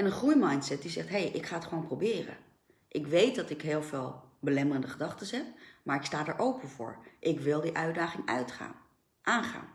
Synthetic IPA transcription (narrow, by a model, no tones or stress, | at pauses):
ɛnənχrujmɑjntsɛt̚dizɛχtɦejʔɪkχaːətχəʋownprowbɪːrə̰ | ʔɪkʋejt̚dɑtɪkɦɪːlˠveːlˠbəlɛmərəndəχədɑχtəsɛpmaːɹɪkstaːdaːɹʔowpənvʊ̰ːɹʔɪkʋɪlˠdiʔœɥdaːχɪŋœ̰ɥtχa̰ː | ʔaːnχa̰ːn